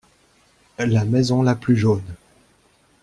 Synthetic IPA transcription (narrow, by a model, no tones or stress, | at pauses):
lamɛzɔ̃laplyʒon